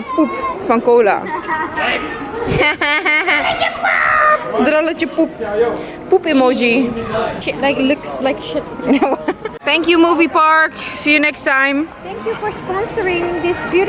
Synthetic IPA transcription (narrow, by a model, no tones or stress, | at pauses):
pup̚fɐ̃ŋkoːla̰ | t͡ʃəpupd̪ɾɔlət͡ʃəpup̚ | pupemod͡ʒiʃɪtlaɪklʊkslaɪkʃɪt̚noθɛ̃ŋkjumuːvipaɹksijunɛkstãɪ̃mθɛ̃ŋkjufɔɹspɔ̃nsəɹɪ̃ŋd̪ɪsbjuɾ